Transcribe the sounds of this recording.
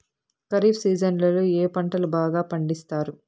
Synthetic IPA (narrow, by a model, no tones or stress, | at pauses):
kɐɾiːbsiːd͡ʒɐnlɐluːeːpɐɳʈɐlubaːɡaːpɐɳɖist̪aːɾu